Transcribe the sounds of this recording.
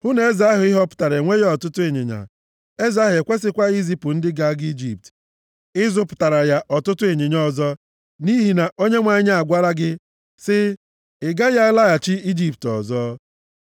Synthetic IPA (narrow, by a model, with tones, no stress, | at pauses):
hʊ˦ne˨˦za˦ɦʊ˨˦ɪ˦ɦɔ˦pʊ̥˨ta˨ɾe˨ŋʷe˦jɔ˨tʊ˦tʊ˦e˨ɲḛ˨ɲa̰˨ | e˦za˦ɦe˨kʷe˦s̬ɪ˦kʷa˦i˦zi˦pʊ˨n̩˦dɪ˦ɡa˦ɡi˦d͡ʒi˨p̚t | ɪ˦zʊ˦pʊ̥˨ta˨ɾa˨ja˦ʔɔ˨tʊ˦tʊ˦e˨ɲe˨ɲɔ˦zɔ˦ | ni˦ɦi˨na˨ʔo˦ɲe˦ŋʷa˨˦ɲa˦a˨ɡʷa˦ɾa˦ɡɪ˦ | sɪ˦ | ɪ˨ɡa˦ja˦a˦la˦a˨t͡ʃɪ˦i˦d͡ʒi˦p̚tɔ̰˨zɔ˦